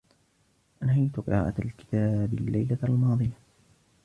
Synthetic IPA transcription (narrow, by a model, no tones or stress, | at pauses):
ʔanhajt̪ʊqɨ̰ɾˤɑ̰ːʔalkɪ̥t̪aːbɪlːajlalmɑːðˤɨja